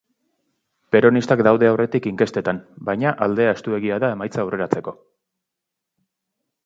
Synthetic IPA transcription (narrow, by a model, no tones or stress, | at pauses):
pe̞ɾo̞nist̪akd̪awðe̞awre̞t̪ikiŋke̞st̪e̞t̪anbajɲaʔald̪e̞ae̞st̪ue̞ɣ̞iaðae̞majt͡saːwre̞ɾat͡se̞ko̞